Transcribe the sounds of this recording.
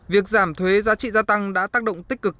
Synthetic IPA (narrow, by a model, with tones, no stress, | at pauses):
vi˨˩ək̚zaː˧˩mt̪ʰwe˨˦zaː˨˦t͡ɕḭ˧˨zaː˧t̪a˧ŋɗa̰ː˧˥t̪aː˦˥k̚ɗo̰˧˨wŋ͡mt̪ï̟˦˥kːɨ˨˩k̚